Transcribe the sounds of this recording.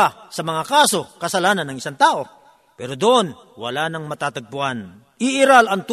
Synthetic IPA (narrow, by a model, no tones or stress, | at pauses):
asɐmɐŋakaːso̞kɐsɐlaːnɐnːɐŋɪsaŋt̪aːʔo̞ | pɛːɾod̪oʔo̞n | wɐ̰laːnɐŋmɐt̪aːt̪ɐɡ̚bʊʔan | ʔɪʔɪɾalɐŋt̪